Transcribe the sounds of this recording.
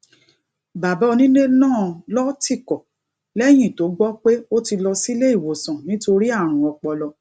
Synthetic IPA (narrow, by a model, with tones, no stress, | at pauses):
ba˨bɔ˨˦˧nĩ˦ne˦nãː˦˨lɔ˦ti˦˨kɔ˨ | lɛ˦j̃ĩ˦˨to˨˦ɡ͡bɔ˦k͡pe˦o˦ti˧lɔ˧si˦le˦i˦˨wo˨sã˨nĩ˦to˧ɾi˦a˦˨ɾ̃ũ˨˦ɔ˧k͡pɔ˧lɔ˧